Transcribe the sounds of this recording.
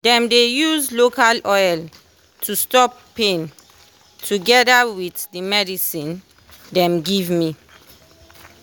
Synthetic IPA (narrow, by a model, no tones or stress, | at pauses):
dɛ̃mdejuzlokalɔjl | tʰustɔpː | ẽn | tʰuɡɛdawiθdimɛdisĩn | dɛ̃mɡivmi